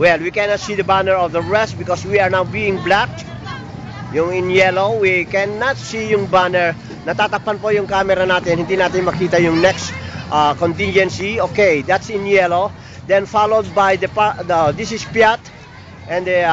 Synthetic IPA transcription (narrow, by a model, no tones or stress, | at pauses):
wɛlwikɛnat̪sid̪ɐbanɛɹɔvðəɹɛst̪̚bɪkɔswiaɹnawbiɪ̃ŋblak | jʊŋɪ̃njɛlowikɛnːat̪sijʊŋbanɛɹ | nɐt̪at̪apanpojʊŋkamɛɾanat̪ɪnhɪ̃nt̪inat̪ɪŋmɐkiːt̪ɐjʊŋnɛkstʔakont̪ɪ̃nd͡ʒɛ̃nsiokejd̪at̪sɪ̃njɛlo | d̪ɛ̃nfalod̪̚bajd̪ɐpad̪ad̪isɪspjat̪ | ʔɛ̃nd̪